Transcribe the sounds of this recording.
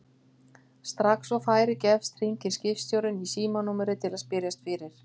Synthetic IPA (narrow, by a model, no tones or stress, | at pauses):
st̪ɾaksɔwfaːjɾɪcɛfst̪r̥iɲcɪ̥scɪfst̪jowɾɪnisiːmanuːmɪɾɪt̪ʰɪlaðspɪɾjast̪fɪɾɪɾ̥